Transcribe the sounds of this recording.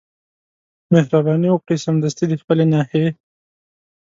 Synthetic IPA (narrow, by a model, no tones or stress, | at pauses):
mehɾabɑːnioq̚ʈisɐmd̪ɐst̪id̪ixpəlenɑːhe